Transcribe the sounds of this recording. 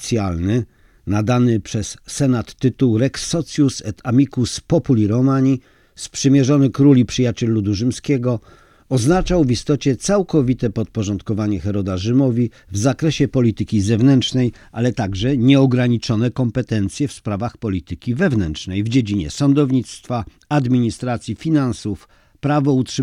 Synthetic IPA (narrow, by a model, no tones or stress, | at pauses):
t̪sʲjalnɘ | nad̪anɘpʂɛsːɛnat̪ːɘt̪uwɾɛksɔt̪sʲjusɛt̪amʲikuspɔpulʲiɾɔmaɲi | spʂɘmʲjɛʐɔnɘkɾulʲipʂɘjat͡ɕɛlːud̪uʐɘmskʲɛɡɔ | ɔznat͡ʂawvist̪ɔt͡ɕɛt̪sawkɔvʲit̪ɛpɔt̪̚pɔʐɔnt̪kɔvaɲɛxɛɾɔd̪aʐɘmɔvʲi | vzakɾɛɕɛpɔlʲit̪ɘkʲizɛvnɛntt͡ʂnɛj | ʔalɛt̪aɡʐɛɲɛɔɡɾaɲit͡ʂɔnɛkɔmpɛt̪ɛnt̪sʲjɛfspɾavaxpɔlʲit̪ɘkʲivɛvnɛntʂnɛjvd͡ʑed͡ʑiɲɛ̰sɔnd̪ɔvɲit̪st̪fa | ad̪mʲiɲist̪ɾat̪sʲjifʲinansuf | pɾavɔutʂɨ